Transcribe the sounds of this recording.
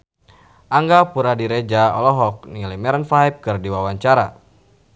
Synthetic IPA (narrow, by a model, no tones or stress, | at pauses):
ʔaŋɡapuɾadiɾed͡ʒaɔ̰lɔɦɔk̚nilimɛɾənfaip̚kɨrdiwawaɲt͡ʃaɾa̰